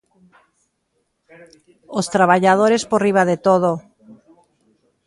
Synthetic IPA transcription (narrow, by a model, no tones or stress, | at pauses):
ost̪ɾaβaʎað̞oɾesporiβaðet̪oð̞o